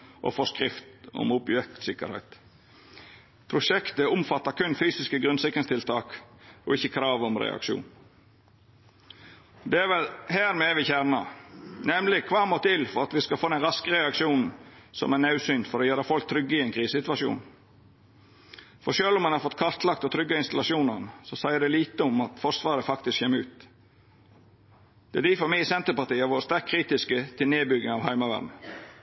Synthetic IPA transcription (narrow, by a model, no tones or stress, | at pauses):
ʔɔ̰fɔskɾɪft̪ʊ̰mʊpjɛkt̪sɪkə̰ɾhæ̰ɪt̪ | pʰɾʊʃɛkt̪əʊmfɑt̪ːɑɾkʉnfyːsɪskəɡɾʉnsɪkɾənst̪ɪlt̪ʰɑːkɔ̰ɪçːəkʰɾɑːʋɔmɾɛ̰ɑ̰kʃṵːn | d̪ɛæʋɛlhæːɾmeːʋɪçæɾnɑnɛmlɪkʰʋɑːmoːt̪ʰɪlfɔɾɑt̪ʋɪskɑlfoːd̪ɛnɾɑskəɾɛɑkʂuːnn̩sɔ̰mænɑʉsynfɔɾoːjøːɾɑfɔlk̚t̪ʰɾʏɡːəɪɛnkʰɾiːsəsɪt̪ʋɑʂṵːn | fɔɾʂøːlʊmɑnhɑɾfɔt̪ːkʰɑɾt̪ʰlɑk̚t̪ɔt̪ʰɾʏɡːɑɪnst̪ɑlɑʃuːnəʁnəsɔsæɪəd̪ɛliːt̪əʊmɑt̪fɔɾsʋɑːɾəfɑkt̪ɪskçɛmːəʉ̰ːt̪ | d̪̥ɛd̪iːfɔmæɪsɛnt̪əpɑt̪iːəʋoːɾəst̪æɾkʰːɾiːt̪ɪskət̪ʰɪlneːbʏɡəŋɑʋhæɪmɑʋæ̰d̪nə